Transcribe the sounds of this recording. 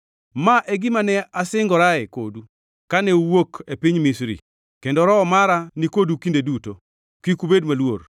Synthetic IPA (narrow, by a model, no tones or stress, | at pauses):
maʔɛɡɪmanɛasɪŋɡɔɾaɛko̰du | kanɛuwokepiɲmisɾḭ | kendɔɾɔːmaɾanikodukindeduto | kikubedmalwo̰r